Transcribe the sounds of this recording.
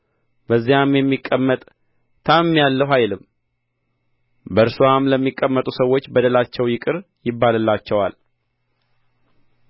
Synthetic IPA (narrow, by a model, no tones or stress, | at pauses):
bəzːijamjɛmːikʼːəmːət̪ʼ | t̪ʰamːjalːəwɦajlɨm | bəɾsuwamləmːikʼːəmːət̪ʼusəwːo̞t͡ʃːbəd̪əlat͡ʃːɛwjɪkʼɨɾ | jɪbːalɨlːat͡ʃːɛwa̰l